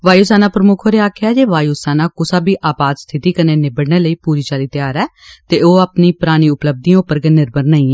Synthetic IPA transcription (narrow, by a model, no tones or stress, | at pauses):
ʋaːjuːsaːnaːpɾəmʊkʰoːɾeːaːkʰejaːd͡ʒeːʋaːjuːsaːnaːkʊsaːbiːʔaːbaːd̪st̪ʰɪt̪iːkəneːnɪbəɽneːləiːpuːɾiːt͡ʃaːliːt̪jaːɾɛːt̪eːoːapniːpɾaːɽ̃iːʊpləb̚d̪ĩãːpəɾɡənɪɾbənːəĩːɛː